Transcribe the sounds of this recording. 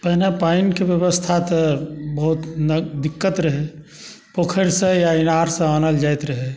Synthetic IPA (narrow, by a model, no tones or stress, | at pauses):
pəɦnepaɪnkebjəbəst̪ʰat̪bəɦut̪nəd̪ɪkːət̪ɾəɦe | pokʰəɾsẽjaɪnaɾsẽanəld͡ʒaːjt̪ɾəɦe